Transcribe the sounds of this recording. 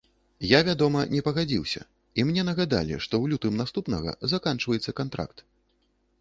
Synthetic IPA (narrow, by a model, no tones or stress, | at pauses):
javʲad̪ɔmɐnʲɛpɐɣad͡zʲiwsʲɐ̰ | imnʲɛnɐɣad̪a̰lʲḭʂt̪ɔwlʲut̪ɨmnast̪upnɐ̰ɣɐ̰zakant͡ʂvɐjɛt̪sːɐkant̪ɾa̰kt̪